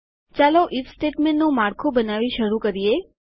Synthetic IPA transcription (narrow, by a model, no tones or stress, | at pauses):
t͡ʃaloʔifsʈeʈmẽɳːõmaɾkʰobənaʋiʃəɾukəɾije